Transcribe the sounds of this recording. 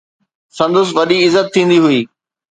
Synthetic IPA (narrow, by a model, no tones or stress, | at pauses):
sɐ̃nd̪ʊs̬ʋɐɗiɪzət̪ʰːĩːn̆d̪iɦʊiː